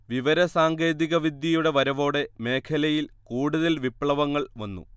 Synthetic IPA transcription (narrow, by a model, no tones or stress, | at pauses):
ʋiʋɐɾɐsaːŋɡe̞ːðiɣɐʋid̪jɐjuɽe̞ʋɐɾɐʋo̞ːɽe̞me̞ːkʰɐlɐjilkuːɽuðɐlʋipɭɐʋɐŋːɐɭʋɐnːṵ